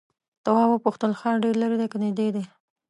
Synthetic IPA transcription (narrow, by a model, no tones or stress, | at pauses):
t̪awɑbəpuxt̪əlxɑɖeɾlaɾid̪ekəned̪ed̪e